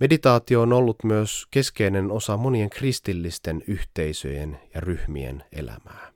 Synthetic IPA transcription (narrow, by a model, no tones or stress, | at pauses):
me̞dit̪ɑːt̪io̞ːnolːut̪myøske̞ske̞jne̞no̞sɑmo̞nie̞ŋkrist̪ilːist̪e̞nyht̪e̞jsø̞̰je̞̰njɑryhmḭḛne̞̰læ̰mæː